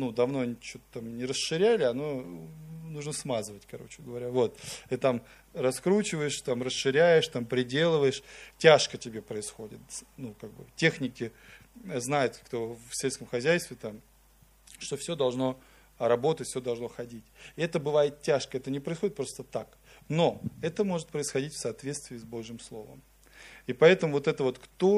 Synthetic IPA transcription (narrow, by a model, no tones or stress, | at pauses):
nud̪ɐvno̞ɐnʲit͡ɕot̪ə̥t̪amnʲɪɾəsʂɨɾʲælʲɪɐno̞ | nuʐnəsmazɨvətʲkɐɾo̞̰t͡ɕɪɡəvɐɾʲavo̞t̪ɨt̪am | rɐskɾut͡ɕɪvəjɪʂt̪amrəsʂɨɾʲæjɪʂt̪ampɾʲɪdʲe̞lˠəvəjɪʂtʲaʂkətʲɪbʲe̞pɾəɪsxo̞dʲɪt̪nukaɡ̚bɨ̰tʲe̞xnʲɪkʲɪ | znajɪt̪kt̪ofsʲelʲskəmxɐzʲæjst̪vʲɪt̪am | ʂt̪o̞fsʲod̪ɐlˠʐno̞ | ɾɐbo̞t̪ətʲfsʲod̪ɐlˠʐno̞xɐdʲitʲɪɛt̪əbɨvajɪt̪tʲːaʂkəɛt̪ənʲɪpɾəɪsxoɪt̪̚pɾo̞st̪ət̪ak | no̞ɛt̪əmo̞ʐɨt̪̚pɾəɪsxɐdʲitʲfsɐːt̪vʲetst̪vʲɪːzbo̞ʐjɪmslˠo̞̰və̰m | ipɐɛt̪əmʊvo̞t̪ɛt̪əvo̞t̪kt̪o̞